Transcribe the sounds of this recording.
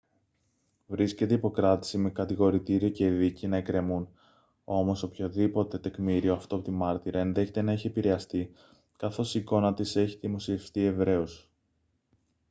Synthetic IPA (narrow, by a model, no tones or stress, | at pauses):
vɾisce̞t̪eipo̞kɾɐt̪i̥sime̞kɐt̪iɣo̞ɾit̪iɾio̞ce̞ðicinɐekɾe̞mun | o̞mo̞so̞pço̞ðipo̞t̪e̞t̪e̞kmiɾio̞ɐft̪oɐpot̪imɐɾt̪iɾɐenðe̞çe̞t̪e̞nɐiçiepiɾe̞ɐst̪i | kɐθo̞siko̞nɐt̪ise̞çiðimo̞sieft̪ie̞vɾe̞os